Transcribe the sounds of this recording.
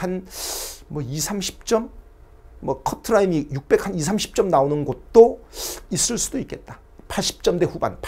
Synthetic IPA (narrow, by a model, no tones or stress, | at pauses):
an | mwʌisʰamɕʰi̥p̚t͡ɕ͈ʌmː | ʌkʰʌtʰɯɾaimijuk̚p͈e̞kʰanisʰamɕʰi̥p̚t͡ɕ͈ʌmnaonɯnɡʌt̚t͈ois͈ɯɭs͈udoik͈e̞t̚t͈ḁ | pʰaɭɕ͈ʰi̥p̚t͡ɕ͈ʌmde̞ɸuba̰npʰ